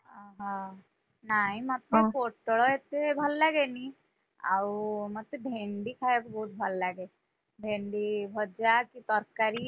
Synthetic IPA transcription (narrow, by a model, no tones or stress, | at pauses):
aɦã | naɦimat̪mefoʈɭɔjet̪ebʱəlːaɡeni | a̰wməɡ̚t̪ebʱeɳɖiːkʰajekbʱoːt̪̚bʱəlːaɡe | bʱeɳɖiːbʱɔd͡ʑjakit̪ɔɾkaɾi